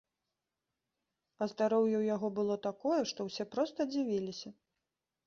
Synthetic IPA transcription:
ɐzd̪aɾɔwjɛwjaɣɔbɨlˠɔt̪akɔjɛʂt̪ɔwsʲɛpɾɔst̪ɐd͡zʲivʲilʲisʲɐ

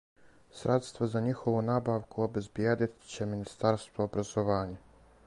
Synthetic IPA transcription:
sɾʔet̪st̪ʋozaɲixoʋunaːbaːʋkuobe̞zbjeːd̪it̪t͡ɕe̞minist̪aɾst̪ʋoobɾazoʋaːɲa

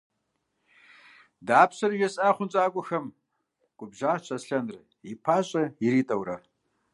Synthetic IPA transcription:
daːpɕɐrʒɛsʼaːχʷʊnt͡ʃʼaːkʷʼʊxɐm | ɡ̥ʷʊbʒaːt͡ʃʰʼɐsɬɐnrɨ | ipʰaːɕʼɐjɪɾiːtʼɐwɾɐ

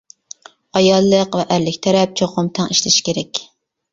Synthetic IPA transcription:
ɑjɑlˠːəqvɛʔæɾlɪkʲt̪ʰɛɾɛp̚t͡ʃʰoqʊmt̪ʰɑŋiʃlɪʃi̥kʲʰeɾɛkʲ

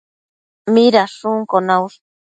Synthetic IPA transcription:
miɾaʂuŋkonaws

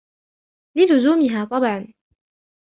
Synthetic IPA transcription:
lɪlʊzuːmɪɦaːt̪ˤɑbʕɑn

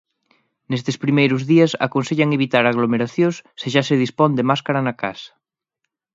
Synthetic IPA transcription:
nest̪espɾimejɾʊzðiɐsa̰konseʎaŋeβit̪aɾaɣlomeɾaθjõsseʃaseðispond̪emaskaɾanaka̰sḁ

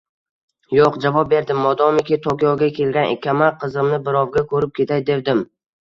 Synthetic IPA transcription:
joqd͡ʒavɒp̚be̞ɾd̪ɪmːɒd̪ɒmɪkʲɪt̪ʰokʲɒwɡʲakʲʰe̞lɡʲanɪ̰kʲʰːamaqʰɨzɪmnɪbɪɾɒwɡʲakʰɵɾɪp̚kʲe̞t̪ʰajd̪e̞ɾd̪ɪm

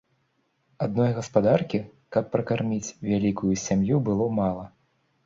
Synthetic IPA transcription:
ad̪̚nɔjɣɐspad̪arkʲi | kɐpːɾɐkarmʲit͡sʲvʲalʲikujusʲamjubɨlˠɔmalˠɐ

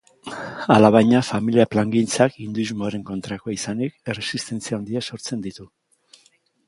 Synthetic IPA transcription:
alaβajɲafamiliaplaŋɡint͡sakind̪uizmoaɾe̞ŋko̞nt̪ɾako̞isanike̞re̞sist̪e̞nt͡siaond̪iaso̞ɾt͡se̞nd̪it̪u

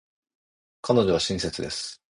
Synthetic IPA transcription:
kʰano̞ʑo̞βaɕĩse̞t͡sɨd̪e̞sɨ̥

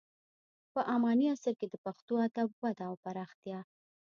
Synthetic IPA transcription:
pəʔamɑniasəɾked̪əpaxt̪oad̪abwad̪aːwpaɾɑxt̪jɑ

